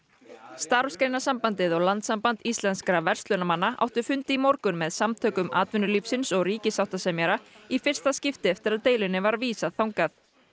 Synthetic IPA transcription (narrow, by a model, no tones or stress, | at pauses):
st̪aːɾɔskɾejnasampant̪ɪðɔɣlant̪sampant̪ist̪lɛnskɾavɛr̥st̪lœnamanːaʔa̰wht̪ʏfʏnt̪ɪimɔwɾkʏnmɛðsamt̪ʰœːkʏmʔa̰ːt̪vɪnʏlifsɪnsɔɣriːcɪsawht̪asɛmjɛɾaifɪr̥st̪ascɪft̪ɪɛft̪ɪɾaðt̪eːjlɪnːɪvaɾviːsaðθawŋkaθ